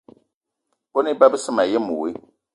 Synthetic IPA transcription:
kʊ˦nɪ˦ba˦bɪ˦sɪ˦ma˨jɛ˦mʊ˨wḛ˦

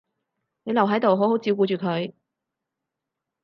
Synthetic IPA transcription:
ne˨˧jlɐ˨wɦɐ˨˥jt̪o˨wɦo˨˥who˨˥wt͡siː˨˧˥ku˨˧t͡ʃyː˨kʰɵ˨˧ɥ

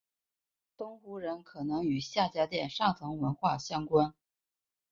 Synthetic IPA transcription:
t̪ʊ˥ŋxu˧˥ɻə˧˥nkʰɤ˨˩nɤ˧˥ŋy˨˩ɕja˥˩t͡ɕja˥t̪jɛ˥˩nʂɑ˥˩ŋt͡s̪ʰɤ˧˥ŋwə˧˥nxwa˥˩ɕjɑ˥ŋkwa˥n

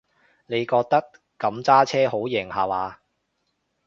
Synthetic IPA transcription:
ne˨˧jkɔː˧k̚t̪ɐ˥k | kɐ˨˧˥mt͡saː˥t͡sʰɛː˥ɦo˨˥wjɛ˨˩ŋhaː˨waː˨˧

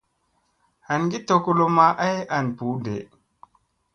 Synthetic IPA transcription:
ha˨nɡi˦to˨ku˦lo˦ma˨ʔa˦ja˨npu˨˦dḛ˨

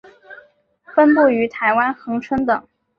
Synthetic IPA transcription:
fə˥npu˥˩y˧˥t̪ʰa˧˥ɪwa˥nxɤ˧˥ŋʈ͡ʂʰwə˥ŋt̪ɤ˨˩˦ŋ

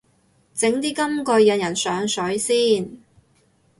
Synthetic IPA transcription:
t͡sɪ˨˥ŋt̪iː˥kɐ˥mkɔ˧jɐ˧njɐ˨˩nsœː˨˧ŋsɵ˨˥ɥsiː˥n

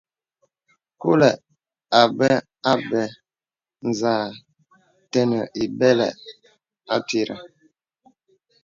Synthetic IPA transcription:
ku˦lɛ˨ʔ | a˨bɛ˦ | a˦bɛ˨ | n˨zaː˨ | tɛ˦nə˨ʔi˨bɛ˦lɛ˨ʔ | a˦ti˦˨ɾa̰˨

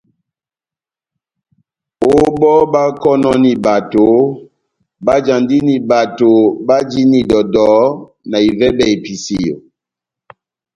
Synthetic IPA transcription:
o˦ɓɔ˦ɓa˦kɔ˦nɔ˦ni˨ba˨to˨˦ | ba˦d͡ʒa˨ndi˦ni˨ba˨to˨ba˦d͡ʒi˦ni˨dɔ˨dɔ˨˦ | na˨i˨vɛ˦bɛ˨i˨pi˨si˨jo̰˨

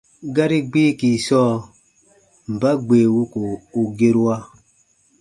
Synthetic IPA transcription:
ɡa˦ɾi˦ɡ͡be˦ki˨sɔː˦˨ | m̩˨ba˦ɡ͡beː˨wu˦ko˨u˨ɡe˦ɾu˦wa˦

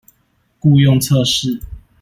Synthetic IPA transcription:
ku˥˧jɔ˥˨ŋt͡sʰə˥˧ʂɻ̩˥˨

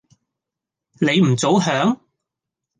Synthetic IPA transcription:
ne˨˧jm̩˨˩t͡so˨˧˥wɦœː˨˥ŋ

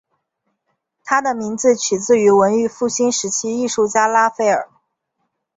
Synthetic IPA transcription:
t̪ʰa˥d̪ə˨mi˧˥ŋd͡zɹ̩˧t͡ɕʰy˨˩t͡sɹ̩˥˩˧y˧˥wə˧˥ny˥˧fu˥˩ɕi˥nʂɻ̩˧˥t͡ɕʰi˥i˥˧ʂu˥˩t͡ɕja˥la˥fe˥˩ɪə̰˞˨˩˦

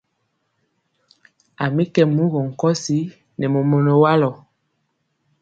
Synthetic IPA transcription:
a˨mi˦kɛ˨mu˦ɣɔ˨ŋ̩˨kɔ˦si˦ | nɛ˨mo˨mɔ˨nɔ˨wa˦lɔ˨

